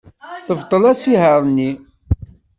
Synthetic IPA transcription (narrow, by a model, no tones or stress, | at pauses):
θəvt̪ˤːəlæsiɦəɾˤnːi